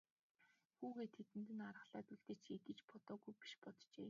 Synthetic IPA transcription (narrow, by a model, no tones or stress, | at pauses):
xuːɣeːt̪ʰet̪ɘ̆nt̪ɘ̆narə̆χɮaːt̪uɮt̪ɘ̆t͡ɕʰet̪ɘ̆t͡ɕpɔt̪ɔːɣujpi̥ʃpɔt̪t͡ɕeː